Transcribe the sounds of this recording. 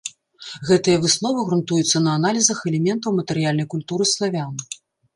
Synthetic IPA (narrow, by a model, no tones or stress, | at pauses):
ɣɛt̪ɨjɐvɨsnɔvɨɣɾunt̪ujut̪sːɐnɐːnalʲizɐxɛlʲɛmʲɛnt̪ɐwmɐt̪ɛɾɨjalʲnɐjkulʲt̪uɾɨslˠavʲanɨ